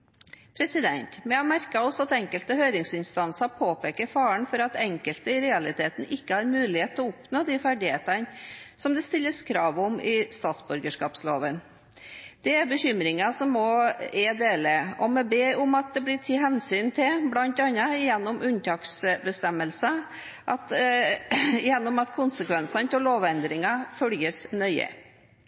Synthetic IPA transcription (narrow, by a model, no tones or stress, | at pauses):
pʰɾɛsɪd̪ɛnt̪mɛɑmæɾkɑɔsːɔɑt̪ɛŋkəlt̪əɦøːɾɪŋsɪnst̪ɑnsɑpʰoːpeːkəɾfɑːəɳfɔɾɑt̪ɛŋkəlt̪əɪɾɛɑlɪt̪ʰeːt̪n̩ʔɪkːəhɑɾmʉːlɪheːt̪ʰːɔʊpnoːd̪ifæɖɪheːt̪ɑnsɔmd̪ɛst̪ɪlːəskʰɾɑːʋʊmɪst̪ɑːt̪sbʉɾɡəʂkɑːpsloːʋən | d̪̥ɛæɾbəɕʏmɾɪŋɑsɔmɔɛd̪eːləɔmɛbeːʊmɑt̪̚d̪ɛblɪt̪ʰiɦɛnsyːnt̪ʰɪblɑnt̪ɑnːɑjɛnːʊmʔʉnt̪ʰɑːksbəst̪ɛmːəlsə | ʔɑt̪ | jɛnːʊmɑt̪kʰʊnsəkʋɛnsɑnt̪ʰɛloːʋɛnd̪ɾɪŋɑfœljəsnœʏə̰